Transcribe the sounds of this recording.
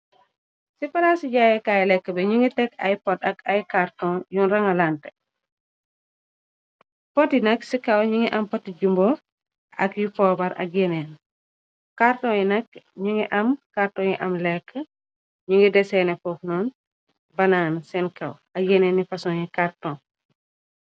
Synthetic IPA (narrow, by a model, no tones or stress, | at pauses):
sifɐlasiɟaːjɛkaːjlɛkːəbɛɲiŋɡitɛkɐ̰jpɔt̚ɐkɐjkartɔ̃njunɾɐŋɐlantɛ̥ | pɔtinɐksikɐwɲiŋiʔɐmpɔtiɟumbɔ | ʔɐ̰kjufɔːbɐɾɐ̰k̚jɛnɛn | kartɔ̃ːjinɐkɲiŋiʔɐmkaɾtɔːjiʔɐmlɛkːə | ɲiŋɡidɛsɛnɛfɔfnɔːn | bɐnaːnsɛnkɐw | ɐjɛnɛnːifɐsɔɲikartɔ̃